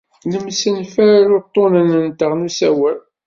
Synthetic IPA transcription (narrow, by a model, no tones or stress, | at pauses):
nəmsənfæɾlʊt̪ˤːonənənt̪əʁnusæwæl